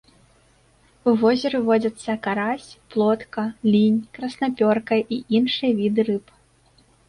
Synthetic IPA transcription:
uvɔzʲɛɾɨvɔd͡zʲɐt̪sːɐkaɾasʲplˠɔt̪kɐlʲinʲkɾɐsnapʲɔrkɐjʔiʔinʂɨjɐvʲid̪ɨɾɨp

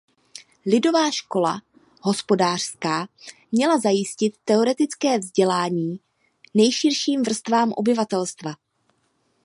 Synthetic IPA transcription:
lɪdo̞vaːʃko̞la̰ | hɦo̞spo̞daːr̝̥skaːmɲɛlazajɪscɪt̪ːɛo̞ɾɛt̪ɪt͡skɛːvzɟɛlaːɲiː | nɛjʃɪrʃiːmvr̩st̪vaːmʔo̞̰bɪvat̪ɛlst̪va

